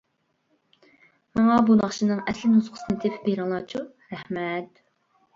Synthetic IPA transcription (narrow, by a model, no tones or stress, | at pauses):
mɑŋɑbunɑχʃinɨŋɛslɪnuzqʰə̥sɨnɨt̪ʰepʰbeɾɑŋlˠɑːt͡ʃʰu | ɾæhmɛt̪